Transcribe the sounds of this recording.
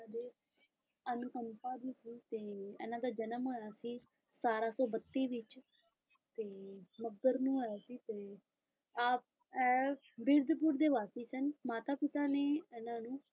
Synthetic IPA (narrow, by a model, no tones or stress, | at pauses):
d̪eː | ənkəmpaːd̪iːsiːt̪eːɛ̰ːnãːd̪aːd͡ʒənəmɦoːjaːsiː | saːɾaːsɔːbət̪ːiːʋɪt͡ʃ | t̪eːməb̪əɾnũːɦoːjaːsiːt̪eː | aːp | ɛː | bɪɾd̪puːɾd̪eːʋaːsiːsənmaːt̪aːpɪt̪aːneːɛːnãːnũː